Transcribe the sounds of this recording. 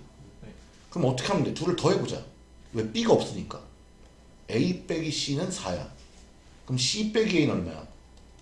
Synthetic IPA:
kɯɾmʌt͈ʌkʰeamndetuɾɯɭtʌɦe̞bod͡ʑa̰ | we̞p͈iɡaʌp̚s͈ɯɲik͈a | e̞ip͈e̞ɡiɕ͈inɯnsaja̰ | kɯmɕʰip͈e̞ɡieinaɭmaja̰

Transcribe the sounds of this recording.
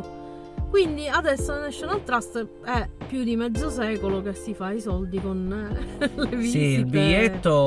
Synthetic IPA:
kwind̪iad̪ɛsːoanɛʃːenalt̪ɾast̪ | ɛpːjud̪imɛd̪zːosɛːkolokesːifaisɔld̪ikon | levisiilbiʎːet̪ːo

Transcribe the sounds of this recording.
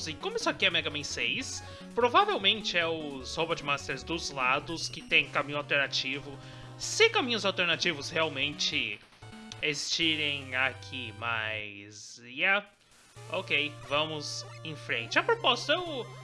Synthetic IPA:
zɪkõmʊisʊakiɛmɛɡɐmẽj̃sejs | pɾovavewmẽnt͡ʃɪɛʊzhobɐd͡ʒɪmast̪eɾzd̪ʊzlad̪ʊskɪt̪ẽj̃kamĩɲʊawt̪eɾnat͡ʃivʊ | sɪkamĩɲʊzawt̪eɾnat͡ʃivʊsheawmẽnt͡ʃɪ | ezi̥st͡ʃiɾẽj̃akʰimajziɛ | okejvɐ̃mʊzẽj̃fɾẽnt͡ʃɪɐpɾopɔst̪ɐew

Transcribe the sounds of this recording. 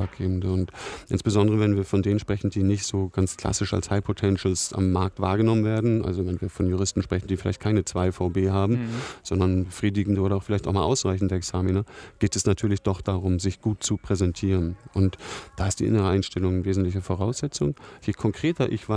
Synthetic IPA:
ak̚ɡ̥eːbn̩dəʊntʔɪ̰nsb̥əzɔndəʁəvɛnviːɐfɔndeːnən̩ʃpʁ̥ɛçn̩diːnɪçtz̥oːɡ̥anskʰl̥a̰sɪʃa̰lshaɪpʰotʰɛnʃl̩sʔa̰mːaɐk̚tv̥a̰ːɐɡənɔmənveːɐdn̩ʔa̰lzovɛnviːɐfɔnjuʁ̞ɪstn̩ʃpʁ̥ɛçn̩diːfɪlaɪçtkʰaɪnət͡sv̥aɪfaʊbeːɦaːbm̩z̥ɔndɐnbəfʁ̥iːdɪɡŋ̩dəʔoːɾɐaʊxfɪlaɪçtaʊmaːlʔaʊsʁaɪçn̩dəɛksaːminaɡ̥eːtɛsnatʰyːɐlɪçd̥ɔχd̥aʁʊmzɪçɡ̥uːt̚t͡supʁ̥ɛzɛntʰiːʁənʔʊntd̥aːɪstd̥ḭːʔɪ̰nəʁəaɪnʃtɛlʊŋnveːzn̩tlɪçəfoʁaʊsz̥ɛt͡sʊŋjiːkʰɔŋkʁ̥eːtɐʔɪçv̥a

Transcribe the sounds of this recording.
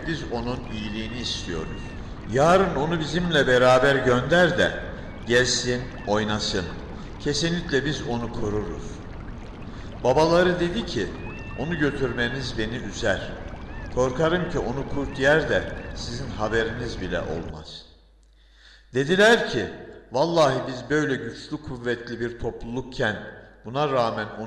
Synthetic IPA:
bizo̞nunijilʲiːniːst̪ʰijo̞ɾṵz̥ | jaːɾɯno̞nubizimlʲɛbeɾaːbæɾɟønd̪æɾd̪ɛ̰ | ɟɛlʲsin | o̞jnasɯm | cʰe̞sinlʲicʲlʲɛbizo̞nukʰo̞ɾuɾṵz̥ | babalˠaɾɯd̪e̞d̪icʰi | o̞nuɟø̞t̪ʰyɾme̞nizbe̞niʔyzæɾ̥ | kʰo̞ɾkʰaɾɯmcʰiʔo̞nukʰuɾt̪jæɾd̪ɛsizinɦabeɾinizbilʲɛ̰ʔo̞̰lˠma̰z̥ | d̪̥e̞d̪ilʲæɾcʰivalˠːaːɦɯbizbø̞jlʲɛɟyt͡ʃlʲykʰːuvːɛt̪ʰlʲibiɾt̪ʰo̞plˠulˠukcʰænb̥unaɾaːmæno̞

